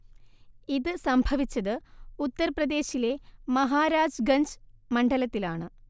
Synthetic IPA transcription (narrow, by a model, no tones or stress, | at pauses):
iðɨsɐmbʱɐʋit͡ɕːɐðɨut̪ːɐɾprɐd̪e̞ːɕile̞mɐɦaːɾaːd͡ʑɡɐɲd͡ʑmɐɳɖɐlɐt̪ːilaːɳɨ